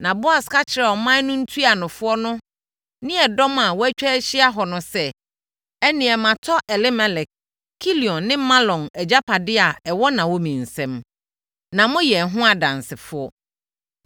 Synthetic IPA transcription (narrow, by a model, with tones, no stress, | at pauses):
nã˨bʊ˦a˨skʰa˦t͡ɕʰɪ˨ɾɛ˨ɔ˨mã˦nʊ̃˦n̩˦tʰu˦a˨nʊ̃˨fʊ˦ɔ˦nʊ̃˦ | nɪ̃˦ɛ˨dɔ˦ma˨wɔ˦æ˦t͡ɕᶣɛ˦ɕɪ˦a˦ɦɔ˨nʊ̃˨sɛ˦ | ɛ˦nɪ̃˨ɛ˨mã˨tʰɔ˦ʔɛ˨lɪ˦mɛ̃˦lɛ˨k̚ | kʰːi˦li˨ɔ̃˨nːɪ̃˦mã˦lɔ̃˨nɛ˨d͡ʑa˦pʰa˨dɪ˦a˨ɛ˨wɔ˦nã˨wɔ˦mĩ˨n̩˨sɛ̃˦m | nã˨mʊ̃˦jɛ˨ɦʊ̃˦a˨dã˨nsɪ˨fʊ˦ɔ˦